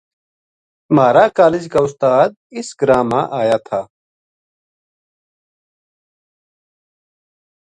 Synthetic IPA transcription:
maːɾaːkaːlid͡ʑkaʊst̪aːd̪̚isɡɾaːma̰ʔaːjat̪ʰaː

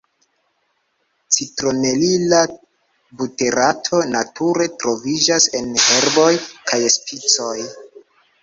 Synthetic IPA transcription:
t͡sitɾo̞ne̞lila | bute̞ɾʔatʰo̞natʰuɾe̞tɾo̞vid͡ʒase̞nhe̞ɾbo̞jkʰajespit͡so̞j

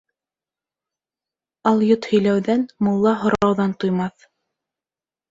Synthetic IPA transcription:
ɑlˠjot̪hɵ̆jlæwðænmŏlˠːɑɦŏɾɑwðɑnt̪ujmɑθ

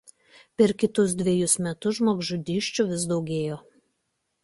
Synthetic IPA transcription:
pʲɛɾkʲɪt̪ʊsd̪ʲʋʲeɛjʊsmʲɛt̪ʊʒmoːɡʒʊd̪ʲiːʃʲt͡ʃʲʊʋʲɪzd̪ɒʊɡʲeːjoː

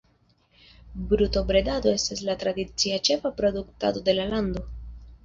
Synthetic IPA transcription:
bɾuto̞bɾe̞dado̞e̞staslatɾadit͡siat͡ʃe̞fapɾo̞dukta̰do̞de̞lalando̞

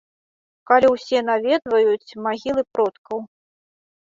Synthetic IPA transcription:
kalʲiwsʲɛnavʲɛd̪vɐjut͡sʲmaɣʲilˠɨpɾɔt̪kɐw

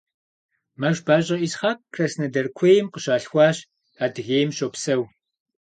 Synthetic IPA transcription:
mɐʒbaːɕʼɐʔisχaːk̚kʰrɐsnɐdɐrkʷʰejɪmqəɕaːɬxʷɑːɕ | aːdɨɣeːjmɕoːpsɐw

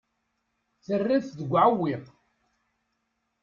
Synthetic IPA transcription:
θərːiθðəɡʷːʕawːiʁ

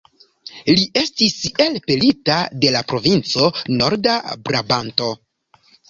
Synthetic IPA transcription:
liʔe̞stise̞lpelitade̞lapɾo̞vint͡so̞no̞ɾdabɾabanto̞

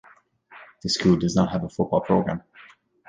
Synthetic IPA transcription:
ðɪskʰuːlˠdʌznət̚ɦəvəfʊt̚b̥ɔlˠpʰɹ̥oʊɡɹã̰m

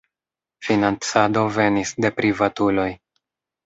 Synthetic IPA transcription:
finant͡sado̞ve̞nisde̞pɾivatulo̞j

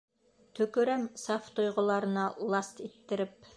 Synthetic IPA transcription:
t̪ʰɵ̆kɵ̆ɾæmsɑft̪ŏjʁŏlˠɑɾɤ̆nɑlˠɑst̪it̪ːɘ̆ɾɘp̚

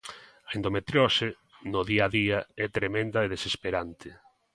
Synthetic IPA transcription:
ɐend̪omet̪ɾjɔsɪ | noðiaðiɐɛt̪ɾemẽnd̪ɐeðesespeɾant̪ʰɪ

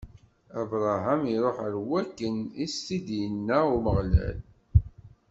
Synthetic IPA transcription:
ævɾˤaɦæmiɾˤoħəɾwækːənist̪id̪jənːæʊɾməʁlæ̰l

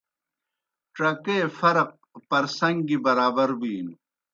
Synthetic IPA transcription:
ʈɐkeːfɐɾq̚pɐɾsɐŋɡibɐɾaːbɐɾbiːn

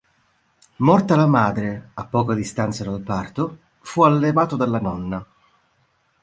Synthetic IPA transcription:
mɔrt̪alamaːd̪ɾeapːɔːkad̪ist̪ant̪sad̪alpart̪o | fualːevaːt̪od̪alːanɔnːa

